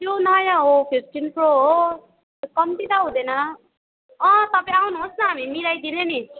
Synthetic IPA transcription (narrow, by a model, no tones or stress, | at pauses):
jonʌjaɦopʰisʈinproɦo | kʌmt̪it̪aɦũd̪ʌnʌ | ʌ̃t̪ʌpãawnɦosnʌɦamimiɾajd̪ineni